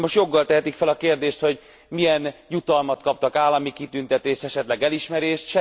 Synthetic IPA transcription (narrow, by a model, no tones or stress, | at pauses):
moʃt̪jo̞ɡːɒlt̪ɛɦɛt̪ikfɛlɒkeːrd̪eːʃt̪ho̞ɟ | mijɛnjut̪ɒlmɒt̪kɒp̚t̪ɒkaːlːɒmikit̪ynt̪ɛt̪eːʃt̪ɛʃɛt̪lɛɡɛliʃmɛɾeːʃt̪ʃɛ